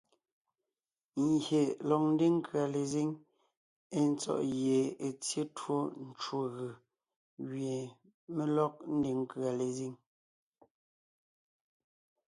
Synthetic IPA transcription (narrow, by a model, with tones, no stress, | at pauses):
ŋ˨ɡje˨lɔ˨n̩˦de˦ŋ˦kɰa˨le˨zi˦ŋ | e˦n̩˦t͡sɔ̰˦˨ʔɣje˨e˨t͡sje˦two˦n̩˦t͡ʃwo˦ɣɯ˨ | ɣɥje˨ | me˨lɔ˦k̚n̩˦de˨ŋ˦kɥa˨le˨zi˦ŋ